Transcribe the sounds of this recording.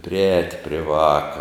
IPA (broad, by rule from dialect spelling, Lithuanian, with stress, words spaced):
pʲrʲɪˈɛːtʲ pʲrʲɪ ˈʋɑːkɐ